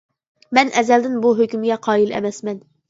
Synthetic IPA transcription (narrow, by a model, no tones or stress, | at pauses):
mɛnʔɛzɛld̪ɪnbuɦøkʲymɡʲɛqʰɑːilɛ̰mɛsmɛn